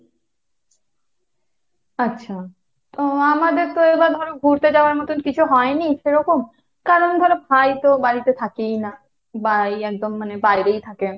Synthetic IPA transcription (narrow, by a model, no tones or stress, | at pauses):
atːɕʰa | t̪oamad̪eɾt̪oebad̪ʱɔɾoɡʱuɾt̪ed͡ʑaoaɾmɔt̪onkit͡ɕʰuɦɔeniʃeɾɔkom | kaɾond̪ʱɔɾebʱajt̪obaɾit̪et̪ʰakejna | bajɛk̚d̪omːanebajɾejt̪ʰake